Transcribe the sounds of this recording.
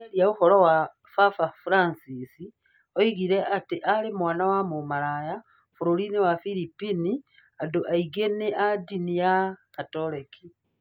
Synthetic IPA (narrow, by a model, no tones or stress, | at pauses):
eljauxolowa | fafafuɾansisi | oiɣiɾeatiʔalemwaːnawamumaɾaja | fuɾolinewafilipini | adoʔaiɡeneʔadinijakatoleki